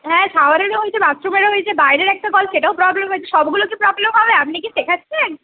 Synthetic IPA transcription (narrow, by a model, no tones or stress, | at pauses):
ɦɛ̃ʃaoaɾeɾɦoet͡ɕʰebat̪ːɾomeɾeɦojet͡ɕʰebajɾeɾɛk̚ʈaɡɔlpʃeʈaopɾɔblemɦojt͡ɕʰeʃɔbɡulokipɾɔblemɦɔbeap̚nik̬isekʰat͡ɕʰːen